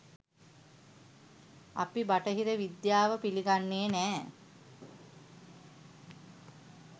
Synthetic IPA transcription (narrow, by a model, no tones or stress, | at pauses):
a̰pibaʈəɦiɾəʋid̪jaːʋəpiliɡanːeːnæː